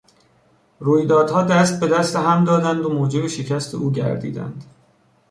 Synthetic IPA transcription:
ruːjd̪ɒːd̪hɒːd̪æst̪̚be̞d̪æst̪eɦæmd̪ɒːd̪ænd̪omoːd͡ʒe̞beʃe̞cʰæst̪ʰe̞̰ʔuːɟæ̰ɾd̪ḭːd̪æ̰nd̪̥

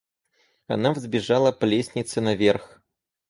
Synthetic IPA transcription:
ɐnavzʲbʲɪʐalˠəplʲesʲnʲɪt̪sɨnɐvʲerx

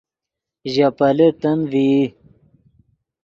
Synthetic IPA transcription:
ʑapɐlet̪ɐnvi

